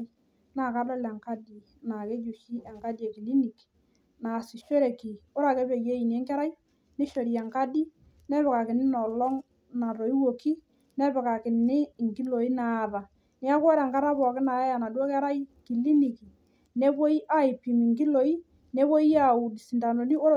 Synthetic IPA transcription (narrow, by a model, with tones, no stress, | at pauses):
na˨ka˦dɔ˦lɛ˨ŋka˦di˨ | na˨ke˦d͡ʒu˨ʃi˦ɛ˨ŋka˦di˦e˨ki˨li˦ni˨k | na˨si˨ʃo˦ɾɛ˨ki˨ʊ˦ɾa˨kɛ˦be˨je˦i˨n˨˦ɛ˦ŋkɛ˦ɾa˦i˦ | nɪ˦ʃo˨ɾi˨ɛ˨ŋka˦di˦ | nɛ˦βɪ˨ka˨kɪ˨nɪ˦nɔ˨lɔ˦ŋ | na˨ɾo˨i˦wo˨ki˦ | nɛ˦bɪ˨ka˨kɪ˨nɪ˦˨ŋki˦lo˨i˦naː˨ða˨ | nɪ˦a˦kɔ˦ɾɛ˨ŋka˦ɾa˦pɔ˨kɪ˦na˨ja˦ja˨na˨dwɔ˦kɛ˦ɾa˦i˦ki˨li˦ni˨ki˨ | ne˦ko˦i˦ʔa˦ɪ˨pi˨mɪ˨ŋki˦lo˦i˦ | ne˦ko˦i˦a˦˨u˨di˨si˨nda˨no˨ni˦o˦